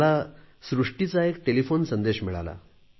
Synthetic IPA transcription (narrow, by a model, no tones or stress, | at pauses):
la | sɾuʂʈit͡saekʈelifonsənd̪eɕmiɭa̰la̰